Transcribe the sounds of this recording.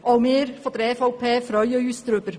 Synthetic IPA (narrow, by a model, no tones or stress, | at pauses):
ʔɔwmɪːɾfɔd̪əɾɛːfɔʊpʰeːfɾœʏjəyːsd̪ɾʏb̥əɾ